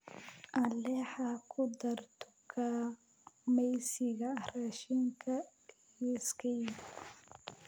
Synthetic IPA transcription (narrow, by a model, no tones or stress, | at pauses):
ʔɐlɛħakʰʊd̪ɐrt̪ʰʊ̥kʰa | mɛjsɪɣɐraːʃiŋkʰɐ | skʰɛ